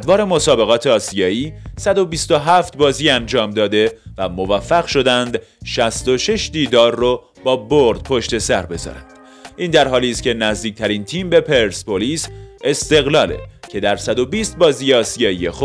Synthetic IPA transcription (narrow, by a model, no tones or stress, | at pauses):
d̪vɒːɾe̞mo̞sɒːbe̞ɣɒːt̪ʰeɒːsijɒːiːsæd̪o̞bist̪oɦæft̪bɒːziːænd͡ʒɒːmd̪ɒːd̪e̞væmovæfːæɣʃo̞d̪ænd̪ | ʃæst̪o̞ʃe̞ʃd̪iːd̪ɒːɾːo | bɒːboɾd̪̥̚pʰo̞ʃt̪e̞sæɾbe̞zɒ̰ːɾænd̪̥ | ʔiːnd̪æɾɦɒːliːst̪̚cʰe̞næzd̪iːc̚t̪ʰæɾint̪ʰiːmbe̞pʰe̞ɾspoliːse̞st̪e̞ɣlɒːlḛcʰe̞d̪æɾsæd̪o̞biːst̪̚bɒːziːjeɒːsijɒːijexo̥